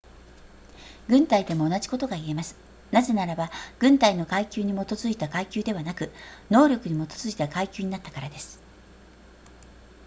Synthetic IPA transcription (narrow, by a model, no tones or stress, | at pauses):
ɡɯ̟̃nt̪aid̪e̞mo̞ːnaʑi̥ko̞t̪o̞ɡaie̞masɨ̥ | naze̞naɾabaɡ̥ɯ̟̃nt̪aino̞kaikʲɨːɲ̟imo̞t̪o̞zɨit̪akaikʲɨːd̪e̞β̞anakɯ̟no̞ːɾʲo̞kɯ̟ɲ̟imo̞t̪o̞z̥ɨit̪akaikʲɨːɲinat̪ːḁkaɾad̪e̞sɨ̥